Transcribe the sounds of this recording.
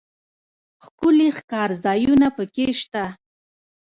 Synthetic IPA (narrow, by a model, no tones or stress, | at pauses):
xkʊlixkɑɾzɑjunapəkeʃt̪a